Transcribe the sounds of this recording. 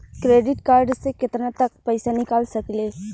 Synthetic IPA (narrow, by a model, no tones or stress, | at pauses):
kɾeːɖɪʈkaːɾɖsekɪt̪ɾãt̪ɐk̚pəːsanɪkaːlsɐkleː